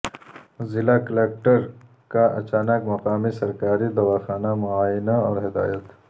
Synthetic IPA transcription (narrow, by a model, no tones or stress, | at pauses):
zɪlakɐleːk̚ʈəɾ | kaʔɐ̰t͡ʃaːnəkmɐqaːmisɐɾkaːɾid̪ɐwaːxaːnamʊaːjɪnaɔːɾɦɪd̪a̰ːjət̪